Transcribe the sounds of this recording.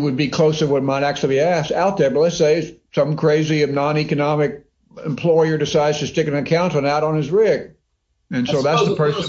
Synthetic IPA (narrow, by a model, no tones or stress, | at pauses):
wɨd̚bikʰl̥oʊsəwʌt̚maɪɾæk̚t͡ʃʉl̩ˠibiæsaʊt̪̚ðə˞bʌt̚ˡlɨtseɪsʌ̃mkʰɹ̥eɪziɨnɑ̃nikɨnɑmɨk̚ | ɨ̃mpʰl̥ɔɪə˞dɨsaɪdz̥tʰɨstɪkɨ̃ŋɨkʰãʊ̃ntə̃naʊɾn̩ɨzɹɪɡ̥ | ɨ̃nsoʊðætsðəpʰɜ˞s